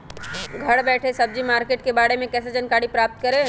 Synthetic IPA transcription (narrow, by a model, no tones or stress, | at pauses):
ɡʱɐɽbɛːʈʰesəb̚d͡ʒimaːɾkeːʈkebaːɽemẽkɛːs̬ed͡ʒənkaːɽipɾaːp̚t̪kəɾe